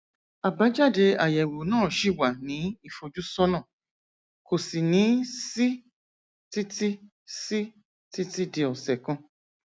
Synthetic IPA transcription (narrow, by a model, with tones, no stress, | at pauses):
a˨ba˦d͡ʒa˦de˧a˨jɛ˨wo˨nɔ̃ː˦˨ʃi˦wa˨nĩ˨˦i˦fo˨d͡ʒu˦sɔ˦nɔ̃˦˨ | ko˨si˨nĩ˨˦si˦ | ti˦ti˦ | si˦ | ti˦ti˦di˨ɔ˨sɛ˨kɔ̃˦